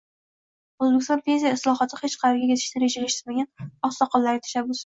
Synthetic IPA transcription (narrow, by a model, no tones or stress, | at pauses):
ozbekʲɪst̪ɒ̃npʰe̞ns̬ijaɪslˠɒɦɒt̪ʰɪhet͡ʃqʰɑɾeɾɡʲaet̪ʰɪ̥ʃnɪɾed͡ʒalɪʃt̪ɪmaɡʲanɒsːɒqʰɒlˠlːaɾɪt̪ʰḁʃabːʊs